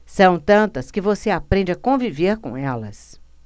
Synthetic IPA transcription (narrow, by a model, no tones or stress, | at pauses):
sɐ̃w̃t̪ɐ̃nt̪ɐskɪvoseapɾẽnd͡ʒɪakõviveɾkõ̰ɛlɐ̰s